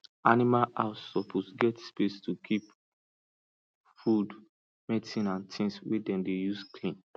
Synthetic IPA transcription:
animalʔasɔpʰosɡɛtspestʰukʰip | fud | mɛtĩnãntʰĩnswedɛ̃mdejuskʰlĩn

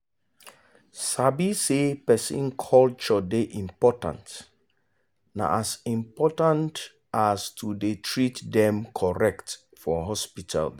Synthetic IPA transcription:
sabisepɛsḭ̃nkʰɔlt͡ʃɔdeʔĩmpɔtã̰nt | na̰ʔasĩmpɔtãnt | astʰudetʰɹitdɛ̃mkʰɔɹɛkt | fɔɦɔspitʰa̰l

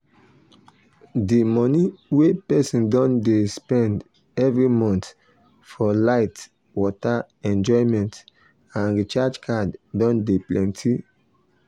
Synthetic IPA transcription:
dimɔniwepɛsĩndɔ̃ndespɛ̃nd | ɛvɹimɔ̃nt | fɔlaɪt | wɔta | ɛ̃nd͡ʒɔɪ̃mɛ̃nt | ãndit͡ʃad͡ʒkʰaddɔ̃ndeplɛ̃ntʰi

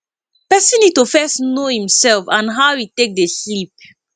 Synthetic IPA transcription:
pɛsĩnitofɛsnohĩmsɛlfãnɦawitek̚deslip̚

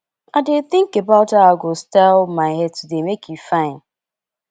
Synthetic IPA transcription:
adeθɪ̃ŋkebaʊthaaɡostɛlmaɪɦɛd̚tʰudemekjufãɪ̃n

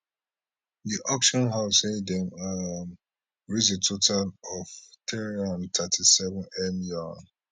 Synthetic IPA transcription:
diʔɔkʃɔ̃nɦaʊshedɛ̃mam | ɹizetʰotalɔftɛɹɔntʰatʰisɛvɔ̃nɛmjɔn

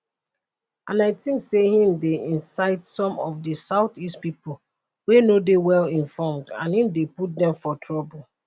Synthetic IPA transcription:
ãnaɪtĩnsehĩmdeĩnsaɪtsɔ̃mɔfdisaʊtistpipo | wenodewɛlĩnfɔmdã̰nhĩmdeput̚dɛ̃mfɔtʰɹɔbolˠ

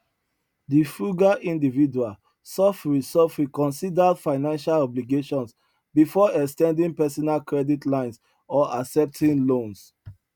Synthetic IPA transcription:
difuɡaʔĩndividual | sɔfɹisɔfɹikɔ̃nsidadfaɪnãnʃalɔbliɡeʃɔ̃ns | bifɔɛkstɛ̃ndĩŋpɛsɔnalkɹɛditlãɪ̃ns | ɔʔasɛp̚tʰĩnlõns

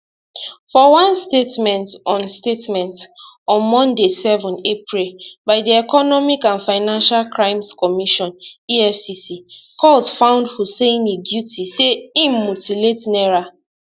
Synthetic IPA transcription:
fɔwãnstetmɛ̃ntɔ̃nstetmɛ̃ntɔ̃nmɔ̃ndesɛvɔ̃nepɹilbaɪdiɛkɔnɔmikãnfaɪnãnʃalkɹãɪ̃mskɔmiʃɔ̃niɛfsisikɔltfãʊ̃ndfuseĩneɡjutiseĩmmutiletnɛɹa

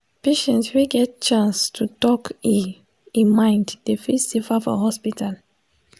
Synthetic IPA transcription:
peʃɛ̃ntswiɡɛt̚t͡ʃãnstʰutɔki | ĩnmãɪ̃ndd̥efisefafɔ̰hɔspitʰal

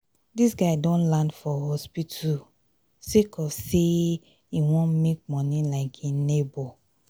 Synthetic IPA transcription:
disɡaɪdõnlãndfɔhɔspitʰu | sekʰɔfse | iwɔ̃nmek̚mɔ̃nĩlaɪkʰinebɔ

